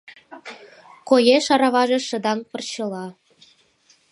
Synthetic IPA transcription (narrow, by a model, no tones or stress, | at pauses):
kojeʃɑɾɑβɑʒĕʃə̆d̪ɑŋpɤ̆rt͡ɕɤ̆lɑ